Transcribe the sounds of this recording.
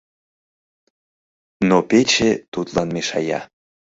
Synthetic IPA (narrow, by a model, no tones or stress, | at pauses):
nopet͡ɕet̪ut̪lɑnmeʃɑjɑ̰